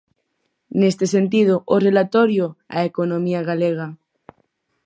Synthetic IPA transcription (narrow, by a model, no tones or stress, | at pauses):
nest̪ese̞nt̪̬ið̞oʔore̞lat̪oɾjoa̰ekonõmiaɣaleɣ̞a